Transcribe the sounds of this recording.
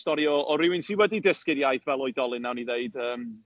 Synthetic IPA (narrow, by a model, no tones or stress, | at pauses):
stɔɾjɔʔɔɾɪwɪnsiːwɛdidəskɪɾjajθvɛlˠɔɨdɔlˠɨnːawniðeɨd̥əːm